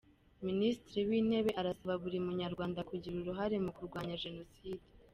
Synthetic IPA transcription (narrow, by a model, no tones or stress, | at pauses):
ministɾiwiːne̞βe̞ʔaɾasaβaβuɾiumuɲaɾɡwaːndakuɟiɾuɾuɦaɾe̞mukuɾɡwaːɲaʒe̞no̞siːde